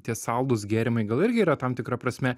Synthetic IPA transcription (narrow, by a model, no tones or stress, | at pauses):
t̪ʲiɛsɐlˠd̪ʊsɡʲæːɾʲɪmɐɪɡɐlˠɪɾʲɡʲɪiːɾɐt̪ɐmt̪ʲɪkɾɐpɾɐsʲmʲɛ